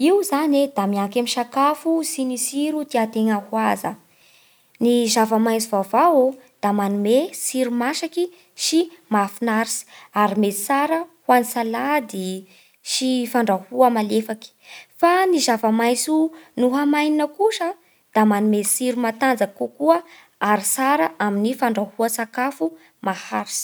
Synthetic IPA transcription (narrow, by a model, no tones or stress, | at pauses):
iuzaned̪amiaŋkamiʃakafusinisiɾut̪iat̪eŋəhwazə̰ | nizavamajsuvavao | d̪̥amanumesiɾumaʃaki | ʃimafunaɾisi̥aɾimet͡saɾəhwanisalad̪i | ʃifaɳɖ͡ʐahuəmalefaki̥fanizavamajsunuɦamajninəkuʃə | d̪̥amanumesiɾumat̪and͡zakukuə | aɾisaɾaʔaminifaɳɖ͡ʐahuəsakafu | mahaɾi̥si̥